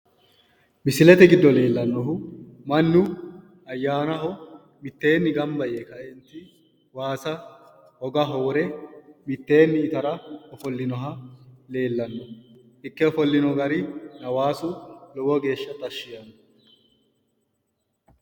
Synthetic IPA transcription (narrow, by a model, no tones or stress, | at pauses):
mɪsɪlɛt̪ɛɡɪd̪ːɔle̞ːlːɐnːɔɦʊmɐnːʊ | ɐjːaːnɐɦɔ | mɪt̪ːe̞ːnːɪɡɐmbɐjekɐɛnt̪ːɪ | waːsɐ | hɔɡɐɦɔwɾɛmɪt̪ːe̞ːnːɪːt̪ɐɾɐɔfɔlːɪnɔɦɐle̞ːlːɐnːɔ | ɪkːɛɔfɔlːɪnɔɡɐɾɪnɐwaːsʊlɔwɔɡe̞ːʃːɐt̪ɐʃːɪjɐnːɔ